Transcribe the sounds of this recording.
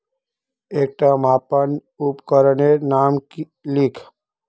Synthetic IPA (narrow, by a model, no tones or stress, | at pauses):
eːk̚ʈãmaːpən | upkəɾənenaːmk | likʰ